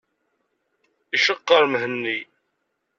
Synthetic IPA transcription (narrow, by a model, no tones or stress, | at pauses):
iʃəqːəɾmɦənːi